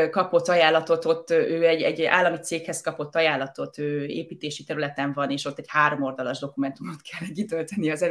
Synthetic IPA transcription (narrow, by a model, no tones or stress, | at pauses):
kɒpo̞t̪ːɒjaːlːɒt̪o̞t̪o̞t̪ːøːɛɟːɛ̰ɟa̰ːlːɒmit̪seːkhɛskɒpo̞t̪ːɒjaːlːɒt̪o̞t̪øːḛːpiːt̪eːʃit̪ɛɾylɛt̪ɛɱvɒneːʃo̞t̪ːɛchaːɾo̞mord̪ɒlɒʒd̪o̞kumɛnt̪umo̞t̪kʰɛlːɛkit̪ølt̪ɛniɒzɛ